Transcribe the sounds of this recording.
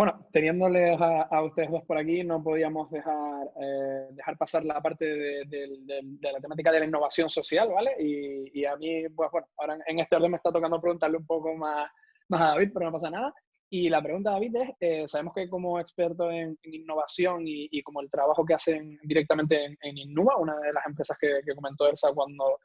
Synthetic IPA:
bwe̞not̪e̞nje̞nd̪o̞le̞saaust̪e̞ðeɦðohpo̞ɾakino̞p̬o̞ð̞iamo̞zðe̞xaɾed̪e̞xaɾpasaɾlapaɾt̪e̞ðe̞ðe̞ld̪eld̪e̞lat̪e̞mat̪̬ikaðe̞lainːo̞βasjo̞nso̞sjalβale̞iːamipwehβwe̞noaoɾaŋeŋe̞st̪eo̞ɾðemehst̪at̪o̞kand̪o̞pɾɣunt̪aɾleumpo̞ko̞mas | masaðaβit̪̚pe̞ɾono̞pas̬anað̞a | ilap̬ɾe̞ɣunt̪aðaβit̪e̞sesaβe̞moske̞ko̞mo̞e̞kspe̞ɾt̪o̞e̞ŋeŋinːo̞β̞asjo̞ŋiːko̞moe̞lt̪ɾaβaxo̞k̬e̞ase̞ŋd̪iɾe̞k̚t̪ament̪e̞ŋeŋinːuβaunaðe̞lase̞mpɾe̞sahke̞ke̞ko̞ment̪o̞elsakwand̪o̞

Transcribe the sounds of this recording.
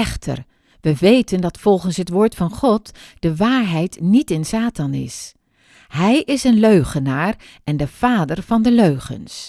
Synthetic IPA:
ɛχtʰə̰ɹ | ʋəʋejtəndɑtfɔlˠχənsɦətʋoːɹtfɑnχɔtd̥əʋaːɹɦɛjtnitɪnsaːtɑnɪ̰s | ɦɛjʔɪsənløɥχənaːɹ | ʔɛndəv̥aːdəɹv̥ɑndəløɥχə̰ns

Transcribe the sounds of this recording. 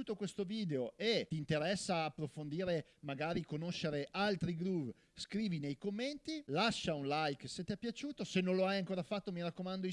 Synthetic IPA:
uːt̪okwest̪oviːd̪eoet̪iːnt̪eɾɛsːaːpːɾofond̪iːɾe | maɡaːɾikonoʃːeɾeʔalt̪ɾiɡluv | skɾiːvinejkomːent̪ilaʃːaunlajkset̪ːiɛpːjat͡ʃuːt̪osenːõloajaŋkoːɾafat̪ːomiɾakːomand̪o

